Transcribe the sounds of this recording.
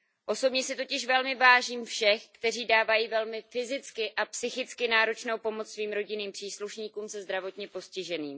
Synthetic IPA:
ʔo̞so̞bɲɛsɪt̪o̞cɪʃvɛlmɪvaːʒiːmfʃɛxkt̪ɛr̝iːdaːvajiːvɛlmɪfɪzɪt͡skɪʔapsɪxɪt͡skɪnaːɾo̞t͡ʃnowpo̞mot͡ssviːmɾo̞ɟɪniːmpr̥iːsluʃɲiːkuːmsɛzd̪ɾavo̞t̪ɲɛpo̞scɪʒɛniːm

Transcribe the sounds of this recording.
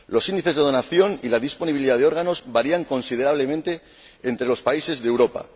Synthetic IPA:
lo̞sind̪iθe̞zðe̞ð̞o̞naθjo̞nilaðisponiβiliðaðeo̞ɾɣ̞ano̞zβaɾiaŋko̞nsið̞e̞ɾaβ̞le̞mẽnt̪e̞ː | nt̪ɾe̞lo̞spaise̞zðewɾo̞pa̰

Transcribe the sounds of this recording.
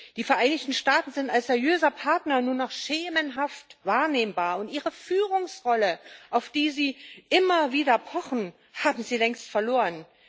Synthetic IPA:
d̥iːfɛɐʔaɪnɪçtn̩ʃtaːtn̩zɪntalsz̥ɛɐʁjøːzɐpʰaɐtnɐnuːɐnɔχʃeːmənɦaftvaːɐneːmbaːɐʊntʔiːʁəfyːʁ̞ʊŋsʁɔləʔaʊfd̥iːziːʔɪmɐviːdɐpʰɔχn̩ | haːbm̩ziːlɛŋstfɛɐloːʁən

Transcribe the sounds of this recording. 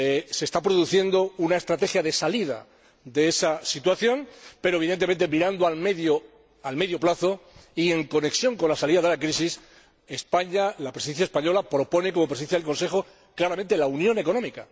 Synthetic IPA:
se̞st̪apɾo̞ðuθje̞nd̪o̞unae̞st̪ɾat̪e̞xjaðe̞saliða̰ | d̪e̞e̞sasit̪waθjõ̞npe̞ɾo̞βiðe̞nt̪eent̪e̞miɾand̪oalmeðjo | alme̞ðjo̞plaθoie̞ŋko̞ne̞ksjõ̞ŋko̞nlasaliðaðe̞lakɾis̬is | e̞spaɲalapɾesiðe̞nθjaespaɲo̞lapɾo̞po̞ne̞ko̞mopɾes̬eθjaðelkonse̞xo̞ | klaɾamẽnt̪e̞launjõ̞ne̞ko̞nõ̞mika

